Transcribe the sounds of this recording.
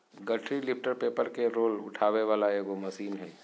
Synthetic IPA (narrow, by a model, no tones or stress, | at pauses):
ɡɐʈʰɾilɪpʈəɾpeːpəɾkeɾoːlʊ̰ʈʰaːʋeʋaːlaeːʋomɐsiːmɦɛː